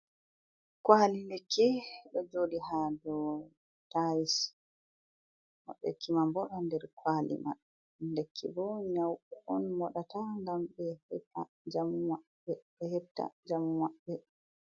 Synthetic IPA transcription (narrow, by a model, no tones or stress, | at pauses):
kwalindekʰːiɗɔd͡ʒodiɦadɔ | tajis | mɔ̰ɗːɛ̰kʰːimambɔɗandɛɾkʰwalḭma̰ɗɔ | ndekʰːḭbɔɲawɗɛʔɔnmɔɗataŋɡamɓɛhɛa | d͡ʒamuma | ɛɓɛhɛtːa̰d͡ʒamumaɓːɛ